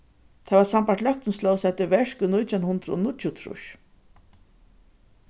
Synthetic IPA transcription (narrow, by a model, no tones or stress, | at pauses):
t̪ʰaːvaɾsampaɾtlœk̚t̪ʏnslɔwsɛt̪ʏvɛʂkʏnʊjt̪ʰjanhʊnd̪ɾɔ̰nʊt͡ʃjʊt̪ʰɾʊ̰ʃ